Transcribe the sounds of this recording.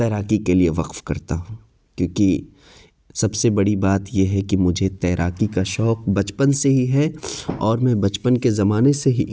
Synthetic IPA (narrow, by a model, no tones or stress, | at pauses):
t̪ɛːɾaːkikelieʋɐqfkɐɾt̪aɦ | kjõːki | sɐbsebɐɽibaːt̪jeɦɛkimʊd͡ʒʱet̪ɛːɾʔaːkikaʃɔːq̚bɐt͡ʃpənseɦiɦɛɔːɾmɛ̃bɐt͡ʃpənkezɐmaːneseɦi